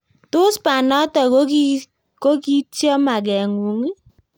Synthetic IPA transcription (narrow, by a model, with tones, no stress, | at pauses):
tʊ˦spa˨nɔ˦tɔ˨kki˦ | ko˦ki˦tjɔ˦ma˨ɡɛ˨ŋu˨ŋi˦